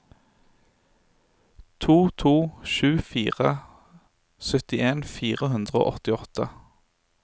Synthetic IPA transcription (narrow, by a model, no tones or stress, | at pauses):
t̪ʰuːt̪ʰuːʃʉːfiːʁə | sœt̪ɪʔeːnfiːʁəɦʉnd̪ʁəo̰ːʔɔt̪ɪɔt̪ə